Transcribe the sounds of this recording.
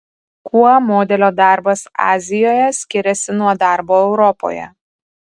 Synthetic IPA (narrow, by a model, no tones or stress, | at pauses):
kʰuɔmoːd̪ʲɛlʲoːd̪ɑˑɾbɐsɑ̰ːzʲɪjoːjɛsʲkʲɪɾʲɛsʲɪnuɔd̪ɑˑɾboːɛʊɾɔpo̰ːjɛ̰